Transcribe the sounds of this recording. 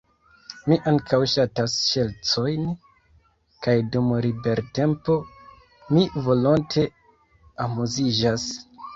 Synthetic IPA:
miʔaŋkʰawʃatasʃe̞lt͡so̞jn | kajdumɾibe̞ɾte̞mpo̞ | mivo̞lontʰe̞ | amuzid͡ʒas

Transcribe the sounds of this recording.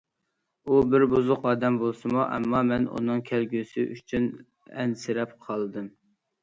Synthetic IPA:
ubɪɾbuzʊqɑːd̪ɛmbolˠsɨmuʔɛ̰mːɑmɛnṵnɨŋkʲʰælɡʲysɪ̰ʔyt͡ʃʰyn | ɛ̰nsɪɾɛpqʰɑlˠd̪ɨm

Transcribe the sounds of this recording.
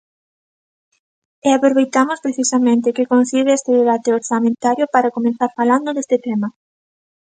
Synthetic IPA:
eapɾoβejt̪amʊspɾeθisamẽnt̪̬ɪkɪkõnθiβeest̪eðeβ̞at̪eoɾsamẽnt̪aɾjopaɾakomẽnθaɾfaland̪oðest̪ɪt̪ɛmɐ

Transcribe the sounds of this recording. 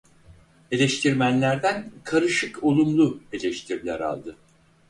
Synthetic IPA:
e̞lʲɛʃt̪ʰiɾmænlʲæɾd̪ænkʰaɾɯʃɯkʰo̞lˠumlˠue̞lʲɛʃt̪ʰiɾlʲæ̰ɾa̰lˠd̪ɯ

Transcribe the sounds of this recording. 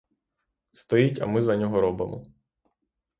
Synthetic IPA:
st̪ɔjitʲɐ̰mɪzɐnʲɔɦɔɾɔbemɔ̰

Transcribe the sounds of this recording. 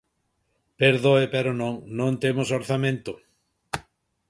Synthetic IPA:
peɾðoepeɾonõŋnõnt̪emosoɾθamẽnt̪o

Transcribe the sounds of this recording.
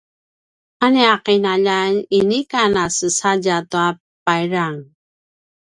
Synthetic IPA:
aneaqinaʎaninikanasəsaɟatua | p̚ajɾaŋ

